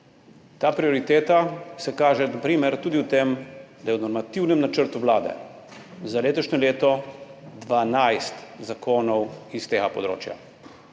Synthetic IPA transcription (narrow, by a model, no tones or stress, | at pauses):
t̪aːpɾioɾit̪eːt̪asɛkaːʒɛnapɾiːmɛɾt̪uːd̪iwt̪emd̪ajɛwnɔɾmat̪iwnɛmnat͡ʃəɾt̪uʋlaːd̪ɛ̰ | zaleːt̪ɔʃɲɔleːt̪ɔd̪ʋanajst̪zakoːnɔwist̪eːɡapɔd̪ɾo̰ːt͡ʃja̰